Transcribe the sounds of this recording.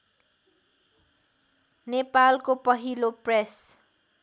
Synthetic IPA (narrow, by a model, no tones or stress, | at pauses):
nepalkopʌɦilopres